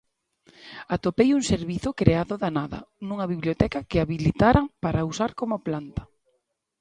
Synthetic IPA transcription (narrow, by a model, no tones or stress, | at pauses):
at̪opejuŋseɾβiθʊkɾeaðʊðanaðɐ̰nũŋɐβiβljot̪ɛkɐkɪaβilit̪aɾaŋpaɾausaɾkomʊplant̪ɐ̥